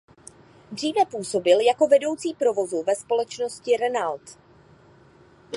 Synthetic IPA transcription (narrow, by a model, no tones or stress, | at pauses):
dr̝iːvɛpuːso̞bɪljako̞vɛdo̞wt͡siːpɾo̞vo̞zuvɛspo̞lɛt͡ʃno̞scɪɾɛnalt̪